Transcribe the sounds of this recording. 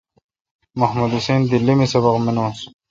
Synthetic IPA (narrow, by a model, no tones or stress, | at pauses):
mɐhmud̪useːnd̪ilːimesɐbɐqmenːs